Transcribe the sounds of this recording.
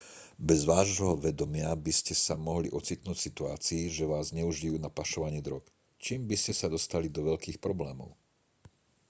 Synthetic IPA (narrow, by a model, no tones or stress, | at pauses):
bɛzʋaːʒɦɔʋɛd̪ɔmɪabiscɛsamɔɦlḭʔɔt͡sit̪nuːcsit̪ua̰ːt͡siːʒɛʋaːzɲɛuʒijuːnapaʃɔʋaɲɪiːd̪ɾɔk | t͡ʃiːmbiscɛsad̪ɔst̪alid̪ɔʋɛʎkiːxpɾɔblɛːmɔ̰ʊ